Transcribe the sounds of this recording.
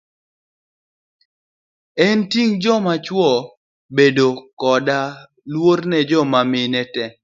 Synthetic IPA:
ɛntiŋd͡ʒɔmat͡ʃwɔ | bedokɔda | lwornɛd͡ʒɔmamɪnɛtɛ

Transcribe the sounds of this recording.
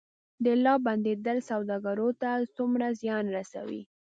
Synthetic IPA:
d̪əlɑband̪ed̪əlsawd̪ɑɡaɾot̪at͡sumɾazjɑnɾasa̰wḭ

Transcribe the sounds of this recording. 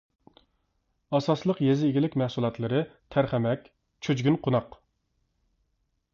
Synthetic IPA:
ɑsɑslˠəqjezɪːɡʲilɪkʲmæhsulˠɑt̪lˠɨɾɨt̪ʰæɾχæmɛkʲ | t͡ʃʰød͡ʒɡʲynqʰonɑq

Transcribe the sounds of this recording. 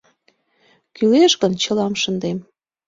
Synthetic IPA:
kyleʃɣənt͡ɕə̆lɑmʃənd̪em

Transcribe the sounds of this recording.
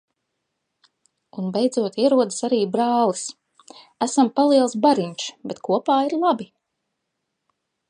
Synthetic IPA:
unbejd̪zuɔt̪iɛɾuɔd̪asaɾiːbɾaːlis | æsampalˠiɛlˠsbaɾiɲt͡ʃbɛt̪kuɔpaːiɾlˠabi

